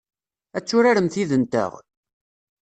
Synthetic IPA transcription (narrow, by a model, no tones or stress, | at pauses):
æt͡sːʊɾaɾəmθiðənt̪ə̰ʁ